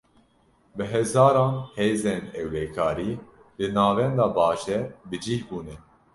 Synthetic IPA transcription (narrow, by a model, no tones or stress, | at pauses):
bɨɦɛzɑːɾɑ̃ːnheːzeːnɛwlɛkʰɑːɾiː | lɨnɑːvɛnd̪ɑːbɑːʃɛbɨd͡ʒiːhbuːnɛ